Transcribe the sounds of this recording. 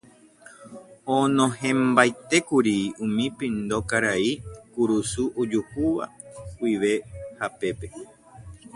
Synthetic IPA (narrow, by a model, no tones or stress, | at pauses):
õnõɦẽmbajt̪e̞kuɾiũmĩpĩnd̪okaɾaikuɾusuʔod͡ʒuhuʋa̰kʷiʋe̞hape̞pe̞